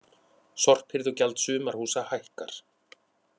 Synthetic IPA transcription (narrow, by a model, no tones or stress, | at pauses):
sɔr̥phɪɾðɔwcɛlt̪sʏːmaɾ̥huːsahajhka̰ɾ̥